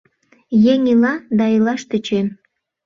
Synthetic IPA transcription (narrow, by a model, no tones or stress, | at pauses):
jeŋilɑd̪ɑilɑʃt̪ət͡ɕen